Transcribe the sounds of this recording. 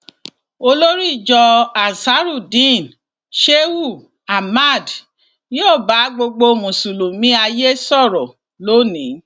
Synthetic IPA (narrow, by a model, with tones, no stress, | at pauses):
o˧lo˦ɾi˦˨d͡ʒɔ˧a˨sa˨˦ɾu˦˨dĩ˦˨n | ʃe˦wu˦˨ | a˨ma˦˨d | jo˦˨ba˨˦ɡ͡bo˧ɡ͡bo˧˨mũ˨su˨lo˨mĩ˦a˧je˦sɔ˦˨ɾɔ˨ | lo˦nĩ˨˦